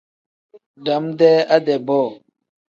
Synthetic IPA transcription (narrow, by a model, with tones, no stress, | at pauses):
da˨˦mde˦a˦de˨bɔ˦˨